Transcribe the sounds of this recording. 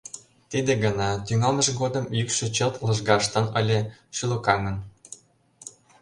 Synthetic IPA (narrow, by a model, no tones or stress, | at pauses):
t̪id̪eɡə̆nɑt̪yŋɑlmə̆ʒɡod̪ə̆mjykʃĕt͡ɕəlt̪lɤ̆ʒɡɑʃt̪ə̆nəlʲĕʃylokɑŋən